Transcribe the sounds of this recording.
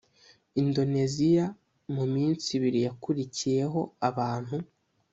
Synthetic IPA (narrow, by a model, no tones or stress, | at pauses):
indo̞ne̞zija | mumiːnt͡siβiɾijakuɾicije̞ɦo̞aβaːn̥hu